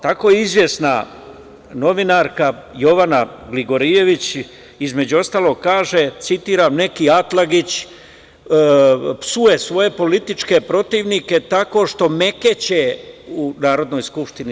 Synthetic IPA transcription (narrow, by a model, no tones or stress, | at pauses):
t̪ako̞jizʋje̞sna̰ | no̞ʋinaɾkajo̞ʋanaɡliɡo̞ɾije̞ʋit͡ɕ | izme̞d͡ʑuo̞st̪aːlˠo̞ɡ̚kaːʒet̪sit̪iːɾamne̞kiat̪laɡit͡ɕː | psuje̞sʋo̞je̞po̞lit̪it͡ʃke̞pɾo̞t̪iːʋnike̞t̪ako̞ʃt̪o̞me̞ke̞t͡ɕeunaːɾo̞d̪no̞ːjskupʃt̪ini